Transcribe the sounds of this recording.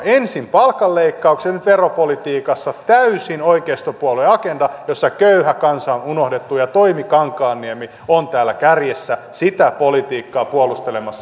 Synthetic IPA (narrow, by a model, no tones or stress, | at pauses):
ensimpɑlkɑlːeikːɑuksenyt̪ʋeropolit̪iːkɑsːɑt̪æysinoikeist̪opuolueɑkendɑjosːɑkøyhækɑnsɑonunohdet̪ːujɑt̪oimikɑŋkɑːnːiæmi | ont̪æːlːækærjesːæ | sit̪æpolit̪iːkːɑːpuolust̪elemɑsːɑ